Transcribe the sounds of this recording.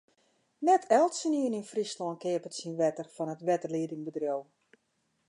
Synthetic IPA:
nɛtʰɛlˠtsəniəninfrislɔnkɪəpətsinʋɛtərfɔnətʋɛtərliədɪŋbədrjow

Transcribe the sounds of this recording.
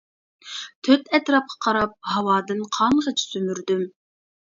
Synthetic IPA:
t̪ʰøt̪ʰɛt̪ɾɑp̚qʰɑ̥qʰɑɾɑp̚hɑwɑːd̪ɨnqʰɑɴʁət͡ʃʰi̥sømyɾd̪ym

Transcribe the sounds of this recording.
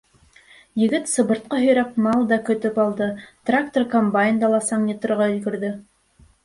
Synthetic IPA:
jɘ̆ɡɘt̪sɤ̆βbɤ̆ɾt̪̚qɑɦɵ̆jɾæk̚mɑlˠd̪ɑkɵ̆t̪ɵpɑlˠd̪ɤt̪rak̚t̪orkombajɪnd̪ɑlˠɑsɑɴnʲit̪ɤ̆ɾʁɑɵ̆ðɡɘ̆ɾðɘ

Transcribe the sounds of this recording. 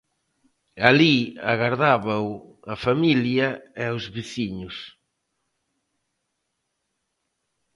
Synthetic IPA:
aliaɣaɾðaβaw | ɐfamiljɐeawzβiθiɲʊs

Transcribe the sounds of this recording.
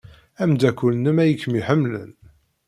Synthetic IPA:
æmd̪ækʷːulnəmæjəkːmiħəmːlə̰n

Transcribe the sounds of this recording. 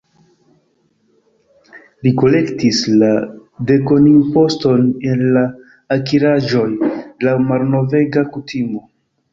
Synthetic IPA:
liko̞le̞ktislade̞ko̞nimpo̞sto̞ne̞nlaː | kiɾaʒo̞jlamaɾno̞ve̞ɡakutʰimo̞

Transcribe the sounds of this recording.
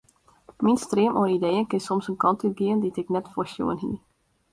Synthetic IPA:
minstreəmʔonidejənkɪnsɔmsənkɑntyt̚ɡiəənditɪknɛtfoɹsjo̰ənɦḭ

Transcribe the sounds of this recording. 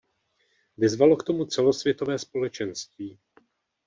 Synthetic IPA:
vɪzvalo̞kt̪o̞mut͡sɛlo̞svjɛt̪o̞vɛːspo̞lɛt͡ʃɛnst̪viː

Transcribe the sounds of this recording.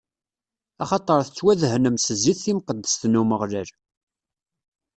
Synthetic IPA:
ɑχɑt̪ˤəɾˤθət͡sːwæðhnəmsəzːiθːimqəd̪ːəsθnːuməʁləɾ

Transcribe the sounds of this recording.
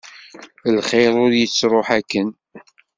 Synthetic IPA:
lχeɾˤʊɾjət͡sːɾˤoħækːən

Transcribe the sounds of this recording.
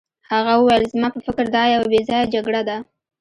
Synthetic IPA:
haɣawəwajlzmɑpəfɪkɾd̪ɑjawabezɑjad͡ʒaɡɽad̪a

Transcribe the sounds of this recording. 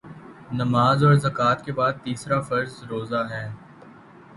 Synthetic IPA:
nɐmaːzɔːɾzɐkaːt̪kebaːd̪̚t̪iːsɾafɐɾzɾoːzaɦɛː

